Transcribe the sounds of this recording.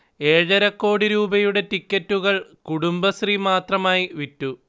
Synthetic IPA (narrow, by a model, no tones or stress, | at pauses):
e̞ːɻɐɾɐkːo̞ːɽiɾuːbɐjuɽe̞tikʲːɐtːuɣɐɭkuɽumbɐsrimaːt̪rɐmaːjiʋitːu